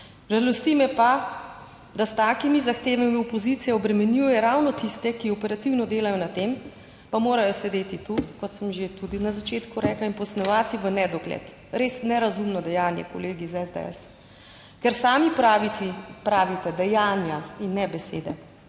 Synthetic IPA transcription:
ʒalɔst̪imɛpa | d̪ast̪aːkimizaxt̪eːʋamiopɔzit̪sijɛɔbɾɛmɛnjujɛɾawnɔt̪ist̪ɛkiɔpɛɾat̪iwnɔd̪eːlajɔnat̪eːm | pamoːɾajɔsɛd̪eːt̪it̪ukɔt̪səmʒet̪ud̪inazat͡ʃeːt̪kuɾɛːklainpɔsnɛʋaːt̪iʋənɛd̪ɔɡlɛ̰t̪ | ɾeːsnɛɾazumnɔd̪ɛjaːnjɛ̰koleːɡizɛzd̪ɛ̰ɛ̰s | kɛɾsaːmipɾaʋit̪ipɾaːʋit̪ɛd̪ɛjaːnjainːɛbɛsḛːd̪ɛ̰

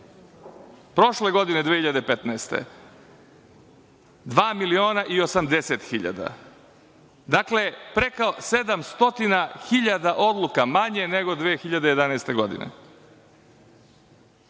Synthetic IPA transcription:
pɾo̞ʃle̞ɡo̞d̪ine̞d̪eçiʎad̪epet̪naest̪ḛ | d̪ʋaːmilio̞ːnaʔio̞samd̪e̞set̪xiʎa̰d̪a̰ | d̪aklepɾekase̞d̪amst̪o̞t̪inaxiʎad̪aʔo̞d̪lˠukamaɲe̞ne̞ɡo̞d̪ʋeːxiʎad̪ejed̪anaest̪e̞ɡo̞d̪ḭnḛ

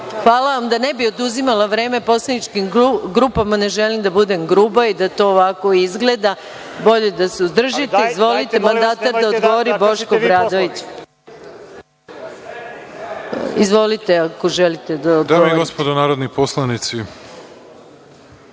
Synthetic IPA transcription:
xʋaːlaʋamd̪ane̞bio̞d̪uzimalaʋɾe̞ːme̞po̞slˠanit͡ʃkimɡɾuːpamane̞ʒe̞limd̪abud̪e̞mɡɾuːbaid̪at̪o̞ːʋako̞izɡle̞d̪a | bo̞ʎe̞d̪aseuzd̪r̩ʒit̪eizʋo̞lit̪e̞mand̪aːt̪ad̪aod̪ɡoʋoɾibo̞ʃkobɾad̪o̞ʋit͡ɕ | izʋo̞lit̪eako̞ʒelit̪ed̪aod̪d̪aːmoiɡospod̪onaːɾod̪niposlˠanit̪si

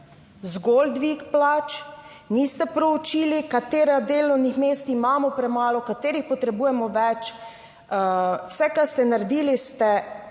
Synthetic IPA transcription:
zɡold̪ʋikplat͡ʃ | nist̪ɛpɾɔut͡ʃiːlikat̪eːɾad̪eːlɔwnixmeːst̪imaːmɔpɾɛmaːlɔkat̪eːɾixpɔt̪ɾɛbuːjɛmɔʋɛt͡ʃ | wsɛkast̪ɛnaɾd̪iːlist̪ɛ

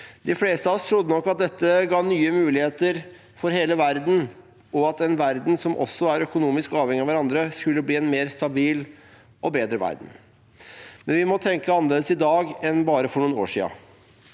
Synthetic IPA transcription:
d̪ɪfleːst̪əɑɔst̪ʰɾʊd̪ːənɔkːɑt̪̚d̪ɛt̪ːəɡɑːnyːəmʉːlɪheːt̪əɾ | fɔɾɦeːləʋæɾd̪n̩ | ɔɑt̪ɛnʋæɾd̪nsɔmʔɔ̰sːɔæɾœkʊnuːmɪskɑːʋhɛŋɪɑʋæɾɑnd̪ɾəskʉlːəbliːɛnmeːɾst̪ɑbiːl | ʔɔbeːd̪ɾəʋæ̰ɾd̪n̩ | mɛnʋɪmɔt̪ʰɛŋkəɑnːəleːd̪əsɪd̪ɑːɡɛnbɑːɾəfɔɳuːno̰ːʂḭːɑ̰

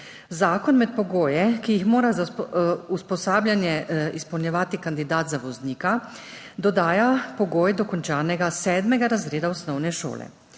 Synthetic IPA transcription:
zaːkɔnmɛt̪̚pɔɡoːjɛkijixmoːɾazauspɔsaːbljanjɛispɔwnʲjɛʋaːt̪ikand̪id̪aːt̪zaʋɔzniːka | d̪ɔd̪aːjapɔɡoːjd̪ɔkɔnt͡ʃaːnɛɡasɛːd̪mɛɡaɾazɾeːd̪aɔsnɔwnɛʃo̰ːlɛ̰

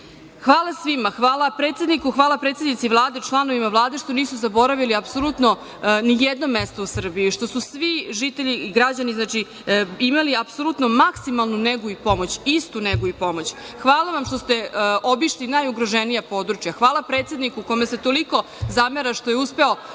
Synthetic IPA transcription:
xʋaːlˠasʋimaxʋaːlˠapɾet̪sʲed̪nikuxʋaːlˠapɾeːt̪sʲed̪nit̪sivlˠaːd̪et͡ʃlˠano̞ʋimavlˠaːd̪eʃt̪o̞niːsuzabo̞ɾaʋiliapsolˠut̪no̞ | nijed̪no̞mest̪ousr̩biiʃt̪o̞susʋiʒit̪eʎiɡɾad͡ʑaniznat͡ʃi | imaliapsolˠut̪no̞maksimalˠnuneɡuipo̞mot͡ɕist̪uneɡuipo̞mo̞t͡ɕ | xʋaːlˠaʋamʃt̪o̞st̪eobiʃlinajuɡɾoʒenijapo̞d̪ɾut͡ʃjaxʋaːlˠapɾet̪se̞d̪nikuːkomeset̪o̞liko̞ | zameɾaʃt̪o̞jeuspe̞o̞

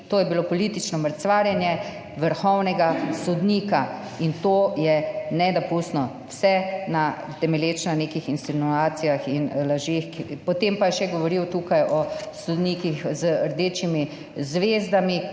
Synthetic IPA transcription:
t̪oːjɛbilopɔlit̪it͡ʃnɔməɾt̪sʋaːɾjɛnjɛ | ʋəɾxɔwnɛɡasɔd̪niːka | int̪oːjɛnɛd̪ɔpust̪nɔ | wsɛnat̪ɛmɛljeːt͡ʃnaneːkixinsinuaːt̪sijaxinlaʒexpɔt̪empajɛʃɛɡɔʋɔɾiwt̪uːkajʔɔsud̪niːkixzəəɾd̪eːt͡ʃimi | zʋezd̪ami

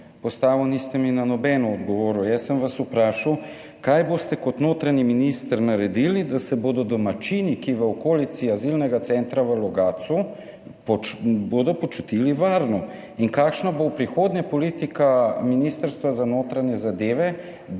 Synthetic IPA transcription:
pɔst̪aːʋiwnist̪ɛminanɔbɛnɔɔd̪ɡɔʋoːɾujɛsəmʋasupɾaːʃaw | kajboːst̪ɛkɔt̪noːt̪ɾaɲiminist̪əɾnaɾɛd̪ilid̪asɛboːd̪ɔd̪ɔmat͡ʃinikiʋəokoːlit̪siazilnɛɡasɛnt̪ɾaʋəlɔɡaːt̪su | pɔboːd̪ɔpɔt͡ʃut̪iliʋaːɾnɔ | iŋkaːkʃnabopɾixoːd̪ɲapɔliːt̪ikaminist̪əɾst̪ʋazanoːt̪ɾaɲɛzad̪eːʋɛ

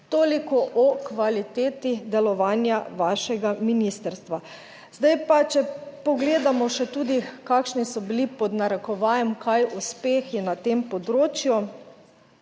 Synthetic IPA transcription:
t̪oːlikɔʔɔkʋalit̪eːt̪id̪ɛlɔʋaːnjaʋaːʃɛɡaminist̪əɾst̪ʋa | zd̪ajpat͡ʃɛpɔɡleːd̪amɔʃɛt̪uːd̪ikaːkʃnisɔbilipɔd̪naɾɛkɔʋajɛmkʰajuspeːxjɛnat̪empɔd̪ɾoːt͡ʃju

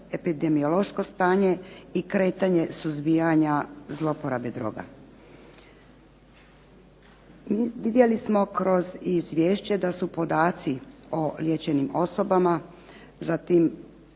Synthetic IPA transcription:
epid̪emiolˠo̞ʃkost̪aːɲe̞ikɾe̞ːt̪aɲe̞suzbijaɲazlˠopoɾabed̪ɾo̰ːɡa̰ | iʋid̪je̞lismo̞kɾo̞zizʋʲjeːʃt͡ɕe̞d̪asupo̞d̪aːt̪siolje̞t͡ɕe̞nimo̞so̞bama | zat̪im

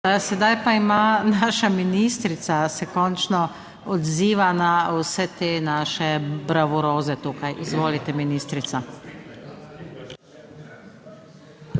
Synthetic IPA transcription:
sɛd̪ajpaimanaːʃaminist̪ɾit̪sasɛkɔnt͡ʃnɔ | ɔd̪ziːʋanawsɛt̪eːnaːʃɛbɾaʋɔɾoːzɛt̪uːkajʔizʋoːlit̪ɛminiːst̪ɾit̪sa

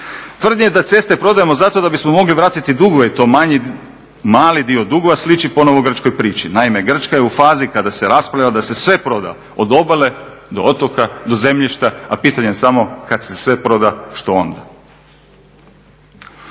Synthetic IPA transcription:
t̪ʋr̩d̪ɲejed̪at̪se̞st̪e̞pɾo̞d̪ajemo̞zat̪o̞d̪abismo̞mo̞ɡliʋɾaːt̪it̪id̪uɡoʋeit̪o̞ːmaɲi | maːlid̪iod̪uɡoʋaslit͡ʃipo̞noʋoɡr̩t͡ʃkojpɾiːt͡ʃinaime̞ɡr̩t͡ʃkajeufaːzikad̪ase̞ɾaspɾavʎad̪ase̞sʋe̞pɾo̞d̪a̰ | o̞d̪o̞bale̞ | d̪oot̪okad̪o̞ze̞mʎiʃt̪aapiːt̪aɲesamo̞kad̪sesʋe̞pɾo̞d̪aʃt̪o̞o̰nd̪a

